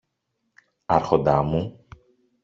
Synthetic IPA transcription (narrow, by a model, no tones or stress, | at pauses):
ɐɾxo̞nd̪ɐmu